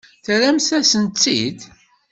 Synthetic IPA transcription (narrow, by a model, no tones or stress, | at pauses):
θɾæmsæsənt͡sːḭd̪